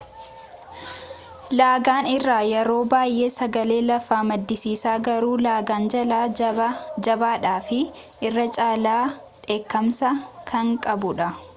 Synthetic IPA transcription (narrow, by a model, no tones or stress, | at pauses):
laːɡaːnɪrːaːjɛɾo̞ːbaːjʔe̞ːsɐɡɐle̞ːlɐfːaːmɐd̪ːɪsiːsaːɡɐɾuːlaːɡaːnd͡ʒɐlaː | d͡ʒɐbaːᶑaːfɪ | ɪrːɐt͡ʃʼaːlaː | ᶑe̞ːkːɐmsɐkʰɐŋkʼɐbʊᶑɐ